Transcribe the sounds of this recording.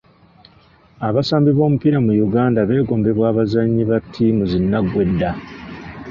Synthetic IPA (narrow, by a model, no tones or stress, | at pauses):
aβasaːmbiβo̞ːmupiɾamujuɡaːndaβe̞ːɡo̞ːmbe̞βwaːβazaɲːiβatʰːimuzinːaɡwe̞dːa